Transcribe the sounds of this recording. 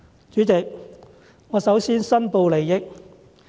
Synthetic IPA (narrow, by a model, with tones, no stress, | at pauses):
t͡ʃyː˨˥t͡sɪ˨k̚ | ŋɔː˨˧˥sɐ˨˥wsiː˥nsɐ˥npo˧wle˨˩jːɪ˨k̚